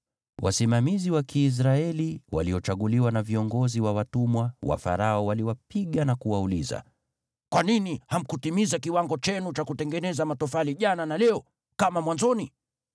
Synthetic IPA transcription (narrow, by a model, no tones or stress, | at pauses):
wʔa̰simamiziwakʰiːs̬ɾaɛliwa̰liɔt͡ʃaɠuliwanaviɔŋɡɔziwawatumwawa̰fa̰ɾaɔwaliwapiɠanakuwauliza̰ | kwaniniham̩kutimizakiwaŋɡɔt͡ʃɛnut͡ʃakutɛŋɡɛnɛzamatɔfaliʄananalɛɔ | kamamwanzɔni